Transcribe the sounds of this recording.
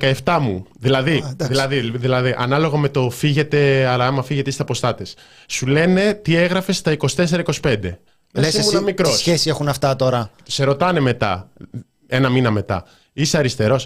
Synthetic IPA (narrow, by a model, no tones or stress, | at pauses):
kɐeft̪ɐmuðilɐðiðilɐðiðilɐðiʔɐnɐlo̞ɣɐme̞t̪o̞fiʝe̞t̪e̞ɐlɐɐmɐfiʝeist̪ɐpo̞st̪ɐt̪es | sule̞ne̞t̪ieɣɾɐfe̞st̪ɐiko̞si̥t̪e̞s̬e̞ɾɐiko̞si̥pe̞nd̪e̞ | esmunɐmikɾo̞sçesiexunɐft̪ɐt̪o̞ɾɐt̪i̥se̞ɾo̞t̪ɐne̞me̞t̪ɐ̰ | e̞nɐminɐme̞t̪ɐ̰ | iseɐɾist̪e̞ɾo̞s